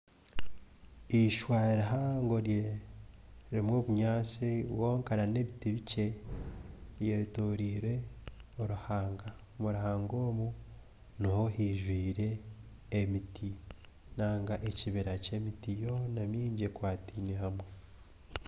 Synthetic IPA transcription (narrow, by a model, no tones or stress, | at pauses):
iʃwaːɾeɦaŋɡo̞ɾje | ɾimwo̞ːβuɲaːsiβwoːŋkaɾane̞βitiβice̞ | jetoːɾiːɾwe̞oɾuhaːŋɡa | muɾahaːŋɡo̞ːmu | nohohiʒwiːɾe̞ː | mitʰi | naːŋɡaʔeciβiɾace̞mitijo̞namiːɲɟekwaːtiːnehamwe